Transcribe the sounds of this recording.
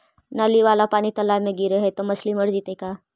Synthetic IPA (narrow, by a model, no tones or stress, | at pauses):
naliʋaːlapaːnit̪ɐlamẽɡiɾeɦɛt̪omɐsliməɾd͡ʒit̪eka